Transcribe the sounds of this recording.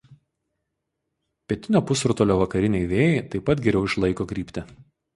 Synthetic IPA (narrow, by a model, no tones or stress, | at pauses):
pʲɛt̪ʲɪnʲoːpʊsɾʊt̪oːlʲoːʋɐkɐɾʲɪnʲɛɪʋʲeːjɛeɪt̪ɐɪpːɐt̪ɡʲɛɾʲɛʊɪʃlˠɐɪkoːkɾʲiːpʲt̪ʲɪ